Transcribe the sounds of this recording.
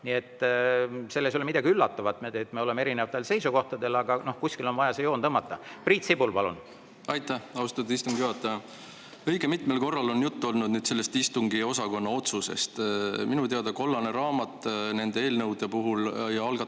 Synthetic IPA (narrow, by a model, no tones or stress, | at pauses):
nie̞t̪ːˑ | se̞lːes̬olemid̪̥ɑɡ̥iylːɑt̪ːˑɑvɑt̪ːmeet̪ːmeolemeeɾinevɑt̪ːelse̞jsuko̞ht̪ɑd̪e̞lɑɡ̥ɑno̞hkusʲkilo̞nvɑjɑsejo̞ːnt̪ɤmːɑt̪ːˑɑpriːt̪sibulpɑlṵn | ɑjt̪ˑːæhɑust̪ɑd̪eist̪uŋɡ̥juɦɑt̪ːɑjɑ | ɤ̞jɡ̥e̞mit̪me̞lko̞rːɑlo̞njut̪ːuo̞lnud̪nyːd̪̥se̞lːe̞st̪ist̪uŋɡio̞sɑko̞nːɑo̞t̪suse̞̰st̪minut̪eɑd̪̥ɑko̞lːɑneɾɑːmɑt̪ːˑne̞nd̪e̞e̞ːlnɤwd̪epuɦuljɑlɡ̥ɑ